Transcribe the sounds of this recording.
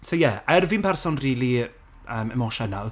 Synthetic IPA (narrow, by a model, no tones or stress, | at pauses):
sowjɛaɛrvinpʰɛrsɔnriːlˠi | əːmɛmɔʃɛnalˠ